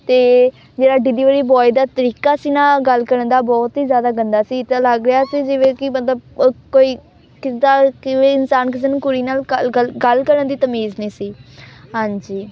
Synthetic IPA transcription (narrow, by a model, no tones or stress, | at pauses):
t̪eː | d͡ʒeːɽaːɖid̪iːʋəːɽiːbɔːid̪aːt̪əɾiːkaːsiːnaːɡəlkəɾənd̪aːbɔːt̪ɦiːzjaːd̪aːɡənd̪aːsiːt̪aləɡɾɪaːsiːd͡ʒɪʋẽːkɪmət̪ləb̚koːiː | kɪsd̪aːkɪʋeːɪnsaːnkɪs̬eːnũːkʊɾiːnaːləəlɡəlkəɾənd̪iːt̪əmiːznĩːsiːɦãːɲd͡ʒiː